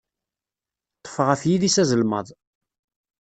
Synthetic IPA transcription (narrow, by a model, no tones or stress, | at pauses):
t̪ˤːə̥fəʁæθjiðisæzəlməðˤ